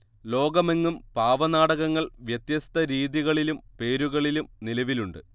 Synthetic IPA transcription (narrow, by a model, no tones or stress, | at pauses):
lo̞ːɡɐmeŋːumpaːʋɐnaːɽɐɣɐŋːɐɭʋjɐt̪jɐst̪ɐɾiːðiɣɐɭilumpe̞ːɾuɣɐɭilumnilɐʋiluɳɖɨ